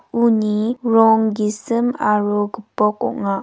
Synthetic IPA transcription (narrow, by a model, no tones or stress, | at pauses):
uniɾɔŋɡisəmaɾoɡəpɔk̚ɔ̰ʔŋa